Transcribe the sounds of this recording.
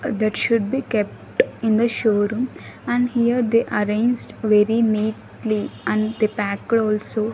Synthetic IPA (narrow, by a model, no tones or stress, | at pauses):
d̪æʈʃʊɖ̚biːkɛp̚ʈɪ̃nd̪əʃoːɾũmæ̃ɳɖhiəɾd̪eʔəɾẽɪnd͡ʒʈʋeɾiniːʈ | liʔæ̃ɳd̪epæːkɽɔːlsoː